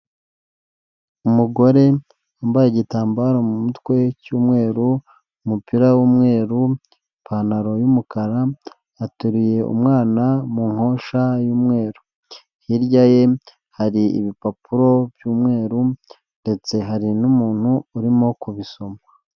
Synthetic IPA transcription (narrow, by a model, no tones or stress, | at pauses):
umuɡo̞ɾe̞ | ambajeɟitaːmbaɾo̞mumutwe̞cuːmŋe̞ːɾu | umupiɾawuːmŋe̞ːɾu | pʰanaɾo̞jumukaɾaː | tuɾije̞ʔṵmŋaːnamuŋo̞ːʃajuːmŋe̞ːɾu | hiɾɟaje̞ | haɾiḭβipapuɾo̞βjuːmŋe̞ːɾu | nde̞t͡se̞ɦaɾinumuːn̥huːɾimo̞kuβiso̞ma